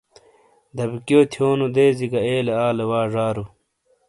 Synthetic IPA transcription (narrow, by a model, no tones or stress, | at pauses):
d̪ɐbkjoːt̪ʰjoːnud̪eːziɡɐeːleaːlewaːʐaːɾu